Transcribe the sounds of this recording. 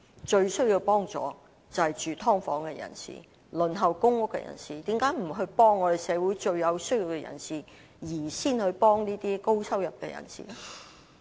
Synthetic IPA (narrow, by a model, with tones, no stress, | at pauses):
t͡ʃɵ˧ɥsɵ˥ɥji˧wpɔː˥ŋt͡sɔ̰ː˨˧ | t͡sɐ˨hɐ˨jt͡ʃyː˨˩t̪ʰɔː˥ŋfɔː˨˥ŋkɛː˧jɐ̰˨˩nsḭː˨˩ | lɵ˨nɦɐ˨wkʊ˥ŋːʊ˥kːɛ̰˧jɐ̰˨˩nsiː˨t̪iː˨˥mkaː˨˥jm̩˨˩ɦɵ˧ɥpɔː˥ŋːɔː˨˧e˨˩jsɛː˨˧wuː˨˥jt͡ʃɵ˧ɥjɐ˨˧wsɵ˥ɥji˧wkɛ˧jɐ̰˨˩nsiː˨ | jiː˨˩siː˥nhɵ˨˧ɥpɔː˥ŋniː˥t̪iː˥ko˥wsɐ˥wjɐ˨p̚kɛ̰˧jɐ̰˨˩nsḭː˨lɛ˥